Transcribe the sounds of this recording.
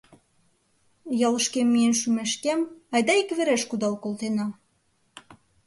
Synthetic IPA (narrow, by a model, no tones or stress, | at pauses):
jɑləʃkemːienʃymeʃkemɑjd̪ɑikβeɾeʃkud̪ɑlkolt̪enɑ